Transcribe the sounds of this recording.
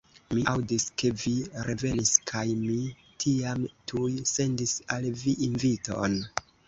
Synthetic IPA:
miʔawdiske̞viɾe̞ve̞niskʰajmi | tʰiamtʰujse̞ndisalviʔinvito̞̰n

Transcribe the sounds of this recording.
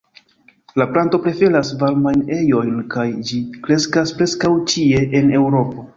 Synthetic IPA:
laplanto̞pɾe̞fe̞lasvalmajne̞jo̞jnkajd͡ʒikɾe̞skaspɾe̞skawt͡ʃie̞ʔene̞wɾo̞po̞

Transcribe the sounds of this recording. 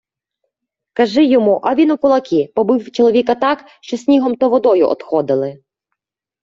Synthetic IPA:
kɐʒɪjɔmuʔɐʋʲinʊkʊlˠɐkʲipɔbɪwt͡ʃɔlˠɔʋʲikɐt̪ɑk | ʃt͡ʃɔsʲnʲiɦɔmt̪ɔʋɔd̪ɔjʊ̰ʔɔ̰t̪xɔd̪ɪlˠɪ

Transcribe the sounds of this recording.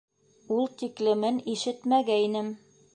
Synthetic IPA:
ulˠt̪iklɘ̆mɘniʃɘt̪mæɡæinɘm

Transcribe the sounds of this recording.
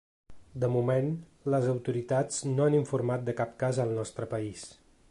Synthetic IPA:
d̪əmumen | ləzəwt̪uɾit̪ad͡znoaniɱfuɾmat̪̚d̪əkap̚kazəlˠnɔst̪ɾəpəis

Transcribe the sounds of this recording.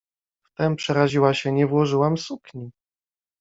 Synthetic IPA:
ft̪ɛmpʂɛɾaʑiwaɕɛɲɛvwɔʐɘwamsukɲi

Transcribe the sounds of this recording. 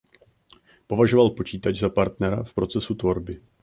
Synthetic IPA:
po̞vaʒovalpo̞t͡ʃiːt̪ad͡ʒzapaɾt̪nɛɾa̰fpɾo̞t͡sɛsut̪vo̞ɾbɪ

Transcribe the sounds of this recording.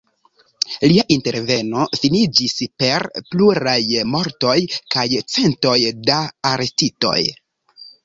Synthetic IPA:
liaʔinte̞ɾve̞no̞finid͡ʒispe̞ɾpluɾajmo̞ɾto̞jkajt͡se̞nto̞jdaːɾe̞stito̞̰j

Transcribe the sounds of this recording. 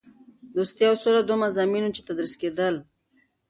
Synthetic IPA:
d̪ost̪jawsoɾad̪omazaminut͡ʃe̥t̪ad̪ɾisked̪əl

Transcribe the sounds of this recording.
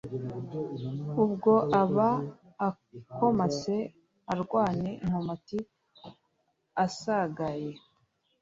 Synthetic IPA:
ubɡo̞ʔaβaː | ko̞mase | aɾɡwaːneʔim̥omati | asaɡaje

